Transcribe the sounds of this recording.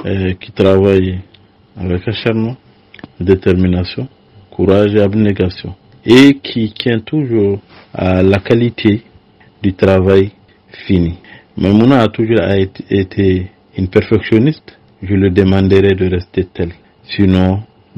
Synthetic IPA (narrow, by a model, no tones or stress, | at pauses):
kit̪ɾavaj | avɛkaʃaɾmɔ̃ | d̪et̪ɛɾminasjɔ̃ | kuɾaʒeabneɡasjɔ̰̃ | ekʰit̪jɛ̃t̪uʒuɾ | a̰lakalit̪ʰe | d̪yt̪ɾavaj | fini | mamunãːt̪uʒuɾaet̪ʰe | inpɛɾfɛksjonist̪ | ʒələd̪emãnd̪eɾɛd̪əɾɛst̪et̪ɛl | sinɔ̃